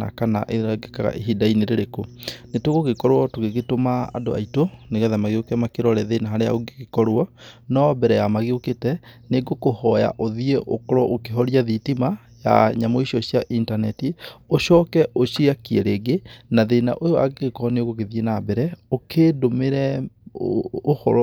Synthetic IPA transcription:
a̰kana̰ʔeaɡekaɣa̰ʔeɦidaineɾeɾekonetoɣoɣekɔɾwɔtoɣeɣetomaa̰do̰a̰itoneɣɛðamaɣeokɛmakeɾɔɾɛðenaɦaɾeja̰oɡeɣekɔɾoɔnɔbɛɾɛjamaɣeoketɛneɡokohɔja̰ʔoðieʔo̰kɔɾɔʔokeɦɔɾiaðitima | ja̰ɲamɔiɕɔɕjaʔintanɛtioɕɔːkɛʔoɕiakiɛɾeɡenaðena̰ʔojoa̰ɡekɔɔneoɣoɣeðienabɛɾɛokʰeːdomeɾɛ | ohɔ̰ɾ

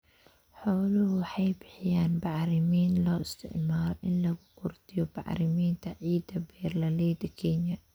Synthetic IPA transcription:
ħoːluwħaːbɪħjaːnbaʕɾimiːnlaʔɪst̪ɪ̰ʔmɑːɾˤʔɪlːabkʊɾt̪iwba̰ʕɾimiːnt̪aʕiːd̪abeːɾlaleːd̪kiːnja

